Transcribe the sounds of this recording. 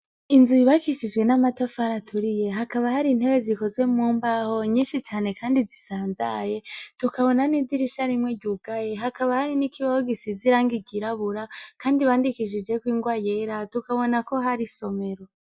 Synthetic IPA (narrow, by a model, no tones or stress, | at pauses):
inzujiβakiʃid͡ʒɡwe̞namatafaɾatʰuɾije̞ɦakaβahaɾiːn̥he̞βe̞ziko̞zwe̞muːmbaho̞ɲiːnʃit͡ʃaːne̞kaːndizisaːnzaje̞tukaβo̞nanidiɾiʃaɾimŋwe̞ɟuɡ̥ajeɦakaβahaɾinikiβahoɡisiziɾaːŋɡiɡiɾaβuɾakaːndiβaːndikiʃ̬id͡ʒe̞kwiːŋɡwaje̞ɾatukaβo̞nako̞ɦaɾiso̞me̞ɾo̞